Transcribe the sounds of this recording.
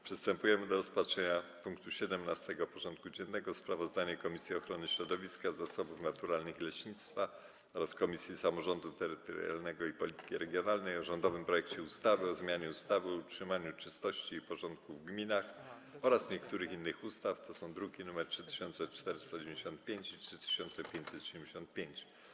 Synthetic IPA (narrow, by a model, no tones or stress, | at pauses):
pʂɛst̪ɛmpujɛmɘd̪ɔɾɔspatʂɛɲapuŋkt̪uɕɛd̪ɛmnast̪ɛɡɔpɔʐɔnt̪̚kud͡ʑɛnːɛɡɔspɾavɔzd̪aɲɛkɔmʲisʲjiɔxɾɔnɘɕɾɔd̪ɔvʲiskazasɔbufnat̪uɾalnɘxilɛɕɲit̪st̪fa | ɔɾaskɔmʲisʲjisamɔʐɔnd̪ut̪ɛɾɘt̪ɔ̰ɾja̰lnɛɡɔipɔlʲit̪ɘ̥kʲiɾɛɡʲjɔnalnɛjɔʐɔnd̪ɔvɘmpɾɔjɛkt͡ɕɛust̪avɘɔzmʲjaɲɛust̪avɨɔutʂɘmaɲut͡ʂɘst̪ɔɕt͡ɕiːpɔʐɔnt̪̚kuvɡmʲinax | ɔɾasɲɛkt̪uɾɘxinːɘxust̪aft̪ɔsɔ̃w̃d̪ɾuɡʲinumɛɾtʂɘt̪ɘ̥ɕɔnt̪sɛt͡ʂt̪ɛɾɘst̪ad͡ʑɛmʲd͡ʑeɕɔnt̪̚pʲjeɲt͡ɕitʂɘt̪ɘ̥ɕɔnt̪sɛpʲjeɲt͡ɕsɛt̪ɔɕɛd̪ɛmʲd͡ʑeɕɔ̃nt̪̚pʲjeɲt͡ɕ